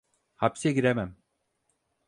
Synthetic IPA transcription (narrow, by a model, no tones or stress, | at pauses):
hapsɛɡiɾemæm